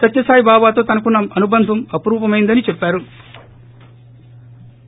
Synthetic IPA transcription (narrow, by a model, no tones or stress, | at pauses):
sɐt̪jɐsaːjibaːbaːt̪o̞ːt̪ɐnɐkunːɐmɐnubɐnd̪ʱɐmɐpɐɾuːpɐmɐjind̪ɐnit͡ʃɛpːaːɾu